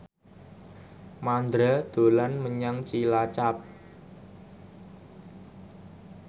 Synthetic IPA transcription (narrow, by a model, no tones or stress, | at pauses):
mand̪ɾad̪̥o̤lanməɲaŋt͡ʃilat͡ʃap̚